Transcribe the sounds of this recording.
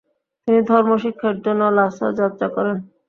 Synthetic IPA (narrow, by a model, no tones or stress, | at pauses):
t̪inid̪ʱɔɾmoʃikʰːaɾd͡ʑonːolasa̰d͡ʑat̪ːʃakɔɾen